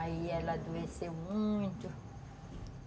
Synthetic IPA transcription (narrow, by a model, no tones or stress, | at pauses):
aiɛlɐd̪uesewmũj̃t̪ʊ